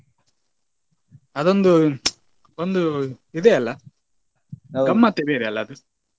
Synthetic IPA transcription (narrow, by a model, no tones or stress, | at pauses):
ɐðond̪u | ond̪uiðeɐlːɐ | ɡɐmːat̪ːebeðeɐlːɐɐðɯ